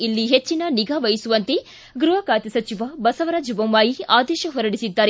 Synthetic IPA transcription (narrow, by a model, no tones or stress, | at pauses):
ilːiɦet͡ʃːinɐniɡaːʋɐjisuʋɐnt̪e | ɡɾuɦɐkaːt̪ɐsɐt͡ʃiʋɐbɐsɐʋɐɾaːd͡ʒɐbɐmːaːjiaːd̪ɛːʃɐɦɔɾɐɽisid̪ːaːɾe